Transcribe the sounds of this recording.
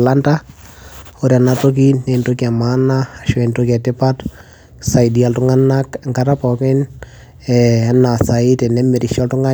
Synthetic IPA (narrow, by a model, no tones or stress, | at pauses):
lanta | oɾianatok̬inɛntokiamanaʃwɛntokatɪpat | sajdialtʊŋanːakŋkaɾapɔkɪn | ɛanːasaitɛnɛmɛɾiʃɔltʊŋa